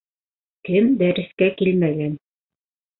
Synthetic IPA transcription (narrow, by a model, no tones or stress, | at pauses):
kɘnd̪æɾɘ̆skækilmæɡæn